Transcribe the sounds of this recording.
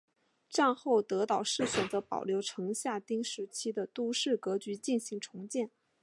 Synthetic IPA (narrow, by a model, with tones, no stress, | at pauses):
ʈ͡ʂa˥˧nxo˥˩ʊt̪ɤ˧˥t̪ɑ˨˩ʊʂɻ̩˥˩ɕɥɛ˨˩nt͡sɤ˧˥pɑ̰˨˩ʊljo˧˥ʊʈ͡ʂʰɤ˧˥ŋɕja˥˩t̪i˥ŋʂɻ̩˧˥t͡ɕʰi˥d̪ə˨t̪u˥ʂɻ̩˥˩kɤ˧˥t͡ɕy˧˥t͡ɕi˥˩nɕi˧˥ŋʈ͡ʂʰʊ˧˥ŋt͡ɕjɛ˥˩n